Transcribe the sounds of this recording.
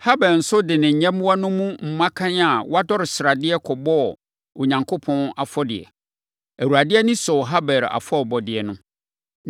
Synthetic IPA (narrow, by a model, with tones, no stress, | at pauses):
ha˦bɛ˨ɾn̩˨sʊ˦dɪ˨nɪ̃˨ɲ̩˨ɲɛ̃˦m˦wa˦nʊ̃˦mũ˦m̩˨mã˦kʰã˦na˨wa˦dɔ˦ɾɪ˨sɪ˨ɾa˨dɪ˦ɛ˦kʰɔ˨bɔ˦˨ | ʊ˨ɲã˨ŋkʰo˦pʰɔ̃˦na˨fɔ˦dɪ̰˨ɛ̰˨ | æ˨wu˨ɾa˨dɪ˦ɛ˦nɪ̃˦sɔ˨ɦa˦bɛ˨ɾa̰˨fɔ˦˨bɔ˨dɪ˨ɛ˨nʊ̃˦